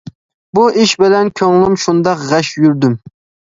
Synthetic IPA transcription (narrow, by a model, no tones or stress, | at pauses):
buʔiʃbɪlɛnkʲʰøŋlˠɪmʃund̪ɑqʁɛʃjyɾd̪ym